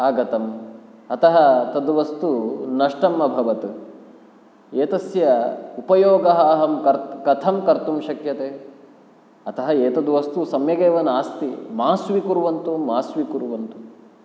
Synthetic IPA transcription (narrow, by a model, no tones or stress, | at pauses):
aːɡɐt̪ɐmɐt̪ɐɦɐt̪ɐd̪uʋɐst̪unɐʂʈɐmːɐbʱɐʋɐt̪ | eːt̪ɐsjɐupɐjoːɡɐɦaːɦɐmkɐɾtkɐt̪ʰɐmkɐɾt̪umʃɐkjɐt̪eː | ɐt̪ɐɦɐeːt̪ɐd̪uʋɐst̪usɐmjɐɡeːʋɐnaːst̪imaːsʋikuɾuʋɐnt̪umaːsʋikuɾuʋɐnt̪u